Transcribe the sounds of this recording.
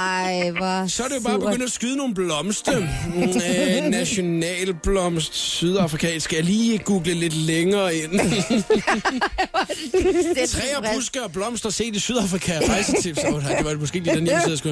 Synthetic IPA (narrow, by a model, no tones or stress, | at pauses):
sɒædɾe̝jo̝b̥ɑːbe̥øn̰d̥æsɡ̥yðˠno̝ːn̩blɒ̽msd̥ə | næɕo̝nɛ̰ːlb̥lɒ̽msd̥syð̞ˠɑ̈fʁikʰɛ̰ːnsɡ̥æliːɡ̥uːɡ̥ləle̝d̥leŋɐːe̝n̰ | t͡sʰʁʁɛ̰ːɐb̥ʁusɡ̥ɐːb̥lɒ̽m̰sd̥ɐse̝̰ːd̥isyð̞ˠɑ̈fʁikʰæpʰasit͡sʰibsɑdeʋɑ̥emɔ̽sɡ̥e̝̰ːd̥id̥eniseðˠsɡu